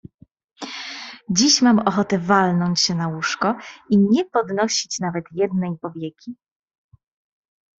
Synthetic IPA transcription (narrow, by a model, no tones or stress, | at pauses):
d͡ʑiɕmamɔxɔt̪ɛvalnɔɲt͡ɕɕɛnawuʂkɔiɲɛpɔd̪nɔɕit͡ɕnavɛt̪jɛd̪nɛjpɔvʲjɛkʲi